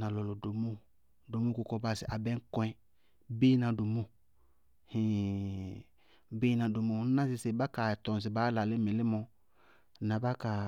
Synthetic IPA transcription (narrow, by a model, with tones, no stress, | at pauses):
na˨lɔ˨lɔ˨do˨mu˦ | do˨mu˦kʊ˨kɔ˦ba˦sɪ˨ʔa˨bɛ˦ŋ̩˦kɔ˦ɛ̃˦ | be˦nã˨do˨mu˦ | hĩ˨ | beː˦nã˨do˨mo˨˦nã˦sɪ˦sɪ˨ba˦ka˨tɔ˨n˨s̬ɪ˨ba˨˦la˨lɪ˦mɪ˨lɪ˦mɔ˧˨ | nã˨ba˦ka˨